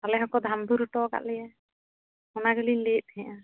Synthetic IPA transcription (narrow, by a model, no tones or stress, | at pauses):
alɛɦɔ̃kɔd̪ʱambuɾuʈɔɡa̰ʔlɛja | ɔnaɡəlinleːt̪̚ˀhɛ̃ʔã